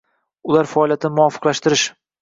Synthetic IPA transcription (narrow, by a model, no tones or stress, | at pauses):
ʊlaɾfaːlijat̪ʰɪnɪmʊɒfɨ̥qlaʃt̪ɪɾɪʃ